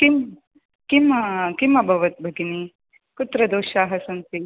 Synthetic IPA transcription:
kim | kimɐkimːɐbʱɐʋɐt̪̚bʱɐɡini | kut̪ɾɐd̪oːʃaːɦɐsɐnt̪i

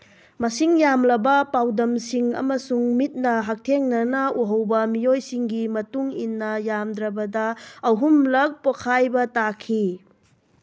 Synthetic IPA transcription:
mɐsiŋjamlɐbɐpawdɐmsiŋɐ̰mɐsuŋmit̚nɐɦak̚tʰeŋnɐnɐuɦɐwbɐmijojsiŋɡimɐtuŋinːɐjamd̪ɾɐbɐdɐːwɦumlɐk̚pokʰajbɐtakʰi

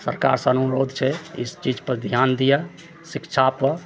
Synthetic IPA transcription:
sə̰ɾka̰ːɾsənuɾoːd̪ʱt͡ʃʰɛɪ̰st͡ʃid͡ʒpəɾd̪ʱjand̪ija | sɪkʃʰapə

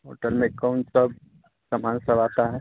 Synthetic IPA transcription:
ɦo̰ːʈəlmẽkaʊɳsɐb̚ | sɐmaːnsɐbaːt̪aɦɛː

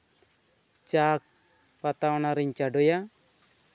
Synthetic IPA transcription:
t͡ʃak̚ | pat̪awnaɾiɲt͡ʃaɖɔja

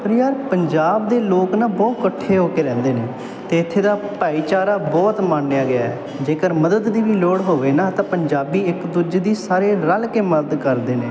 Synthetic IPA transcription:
pʰəɾiːaːɾpəɲd͡ʒaːb̚d̪eːloːknaːbɔːt̪kəʈʰːeːɦoːkeːɾɛ̃ːnd̪eːneː | t̪eːɪt̪ʰːeːd̪aːpaːiːt͡ʃaːɾaːbɔːt̪mãːnːejaːɡɪaːɛː | d͡ʒeːkəɾməd̪əd̪ːiːʋiːloːɽɦoːʋeːnãːt̪ãːpəɲd͡ʒaːbiːɪkd̪ʊd͡ʒd̪iːsaːɾeːɾəlkeːməd̪əd̪kəɾd̪eːneː

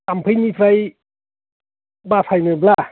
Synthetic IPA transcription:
ampʰɯjnipʰɾaj | basʰajnɯbla

